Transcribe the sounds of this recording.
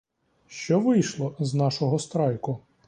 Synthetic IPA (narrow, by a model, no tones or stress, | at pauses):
ʃt͡ʃɔʋɪjʃlˠɔznɑʃɔɦɔst̪ɾɑjkʊ